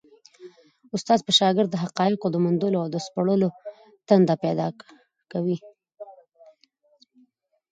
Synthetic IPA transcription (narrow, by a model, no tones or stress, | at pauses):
ʊst̪ɑzpəʃɑɡɪɾd̪ːəɦaqɑjɪqod̪əmʊnd̪əloawd̪əspaɽəlo | t̪and̪apɛd̪ɑ̰ | kawi